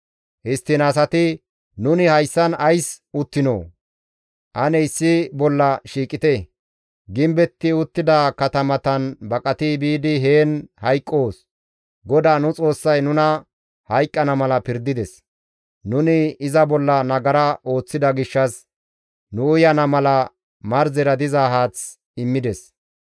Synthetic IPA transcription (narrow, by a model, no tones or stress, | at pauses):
hɪst̪ːɪnɐs̬ɐt̪ɪ | nʊnɪhɐjsːɐnɐjs | ʊt̪ːɪno̰ː | ʔɐnɛɪsːɪbɔlːɐʃiːkʼɪt̪ɛ | ɡɪmbɛt̪ːɪʊt̪ːɪd̪ɐkɐt̪ɐmɐt̪ɐnbɐkʼɐt̪ɪbiːd̪ɪɦe̞ːnhɐjkʼːo̞ːs | ɡɔd̪aːnʊt͡sʼo̞ːsːɐjnʊnɐ | hɐjkʼːɐnɐmɐlɐpɪɾd̪ɪd̪ɛs | nʊnɪɪzɐbɔlːɐnɐɡɐɾɐʔo̞ːt͡sːɪd̪ɐɡɪʃːɐs | nʊʊjɐnɐmɐlɐ | mɐɾzɛɾɐd̪ɪzaːɦaːt͡s | ɪmːɪd̪ɛs